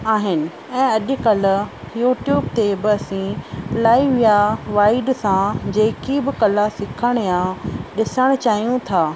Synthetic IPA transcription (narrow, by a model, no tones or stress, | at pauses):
aːɦɪnɪ̆ | ɛ̃ːɐʄʊ̆kɐlʊ̆ | juːʈjuːbt̪ebɪɐsĩlaːiʋijaʋaːɪɖsãd͡ʑeːkibɪkɐlasɪkʰəɽ̃jãɗɪsəɽ̃t͡ɕaːɦijũt̪ʰaː